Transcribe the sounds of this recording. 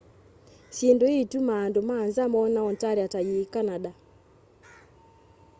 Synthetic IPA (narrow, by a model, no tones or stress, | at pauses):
ʃindoitumandomaːnzamɔnaɔntaɾiatajikanaɗa